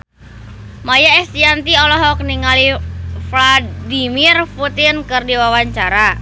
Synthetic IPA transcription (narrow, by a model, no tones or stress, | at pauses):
majaɛst̪iant̪iɔlɔɦɔk̚niŋalifladimirfut̪inkɨrdiwawaɲt͡ʃaɾa